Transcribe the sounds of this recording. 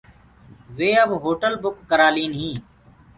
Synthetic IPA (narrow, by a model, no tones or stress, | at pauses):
ʋeːəbɦoːʈəlbʊkːəɾaːliːnɦĩː